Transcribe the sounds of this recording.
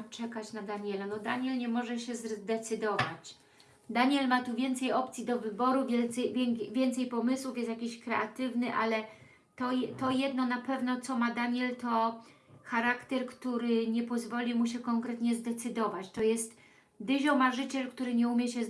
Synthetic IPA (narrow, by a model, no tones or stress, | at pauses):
t͡ʂɛkat͡ɕnad̪aɲɛlanɔd̪aɲɛlɲɛmɔʐɛɕɛzd̪ɛt̪sɘd̪ɔva̰t͡ɕ | d̪aɲɛlmat̪uvʲjɛnt̪sɛjɔp̚t̪sʲid̪ɔvɘbɔɾuvʲɛvʲjɛvʲjɛnt̪sɛjpɔmɘswufjɛst̪jakʲiɕkɾɛʔat̪ɘvnɘʔa̰lɛ | t̪ɔt̪ɔjɛd̪nɔnapɛvnɔt̪sɔmad̪aɲɛlt̪ɔ | xaɾakt̪ɛɾkt̪uɾɘɲɛpɔzvɔlʲimuɕ̬ɛkɔŋkɾɛt̪ɲɛzd̪ɛt̪sɘd̪ɔvat͡ɕt̪ɔjɛst̪ | d̪ɘʑɔmaʐɘt͡ɕɛlkt̪uɾɘɲɛumʲjɛɕɛ